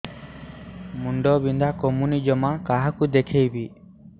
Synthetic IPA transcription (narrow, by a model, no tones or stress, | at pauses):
muɳɖɔbind̪ʱakomunid͡ʒɔmakaɦakud̪ekʰejbi